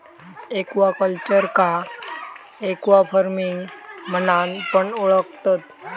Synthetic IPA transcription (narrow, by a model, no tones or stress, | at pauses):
ekʋakəlt͡ɕəɾka | ekʋapʰəɾmiŋɡmənanpəɳuɭək̚ʰt̪at̪